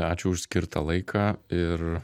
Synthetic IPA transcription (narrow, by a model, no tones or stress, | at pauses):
ɑːt͡ʃʲʊʊʃʲsʲkʲɪɾt̪ʰɐːlˠɐɪkʰɑːɪr